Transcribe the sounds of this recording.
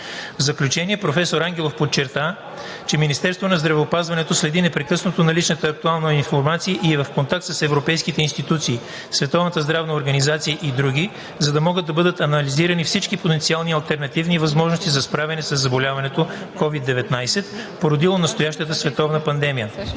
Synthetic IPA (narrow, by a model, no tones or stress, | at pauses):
vzɐklʲut͡ʃɛniɛpɾofɛsoɾaŋɡʲɛlˠofpott͡ʃːɛɾt̪a | t͡ʃɛminist̪ɛɾst̪vonɐzd̪ɾɐvɛopazvɐnɛt̪oslɛd̪inɛpɾɛkɤsnot̪onɐlit͡ʃnət̪əːk̚t̪ualˠnɐinfoɾmat̪siəʔiɛvɐfkont̪ak̚t̪səsɛvɾopɛjskit̪ɛinst̪it̪ut̪siː | svɛt̪ɔvnət̪əzd̪ɾavnəoɾɡɐnizat̪sijəʔid̪ɾuɡ̟ʲi | zɐd̪ɐmɔɡəd̪ːɐbɤd̪ət̪ɐnɐliziɾənifsit͡ʃkipot̪ɛnt̪sialˠniɐlˠt̪ɛɾnɐt̪ivnivɐzmɔʒnost̪izɐspɾavɛnɛsɐzːɐbolʲavɐnɛt̪o | kɔvid̪ːɛvɛt̪najsɛt̪poɾod̪ilˠonɐst̪ojaʃt̪ət̪əsvɛt̪ɔvnəpɐnd̪ɛmijə